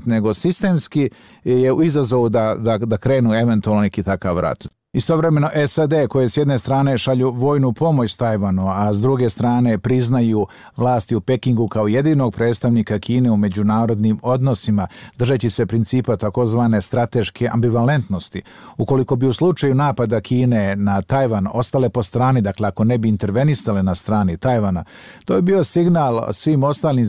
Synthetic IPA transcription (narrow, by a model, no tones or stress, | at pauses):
t̪ne̞ɡo̞sist̪e̞ːmski | je̞uizazo̞ʋud̪ad̪ad̪akɾe̞ːnue̞ʋe̞nt̪ualnonekiːt̪akaʋɾa̰t̪ | ist̪o̞ʋɾe̞me̞no̞ʔesad̪eko̞jesjed̪ne̞st̪ɾaːne̞ʃaʎuʋo̞ːjnupo̞mo̞t͡ɕst̪ajʋanuazd̪ɾuɡe̞st̪ɾaːne̞pɾiznaju | ʋlˠaːst̪iupe̞kiŋɡukao̞je̞d̪iːno̞ɡ̚pɾe̞ːt̪st̪aʋniːkakʰiːne̞ume̞d͡ʑunaːɾo̞d̪nimo̞d̪no̞simad̪r̩ʒat͡ɕise̞pɾint̪siːpat̪ako̞zʋaːne̞st̪ɾat̪e̞ʃkʰeʔa̰mbiʋale̞nt̪no̞st̪i | uko̞liko̞biuslˠut͡ʃajunaːpad̪akʰiːne̞nat̪ajʋano̞st̪ale̞po̞st̪ɾaːnid̪akleako̞ne̞biːnt̪e̞ɾʋe̞nisalenast̪ɾaːnit̪ajʋana | t̪ojebiːo̞siɡnalˠsʋiːmo̞st̪aːlim